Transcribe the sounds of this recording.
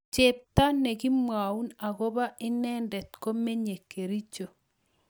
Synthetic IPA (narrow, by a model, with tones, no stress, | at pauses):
t͡ʃe˨p̚ta˦ne˨ɣi˦mwa˨u˦na˨ɣo˦βa˦ʔɪ˦nɛː˦ndɛ˨tko˦me˦ɲe˨ke˨ɾi˦t͡ʃo˨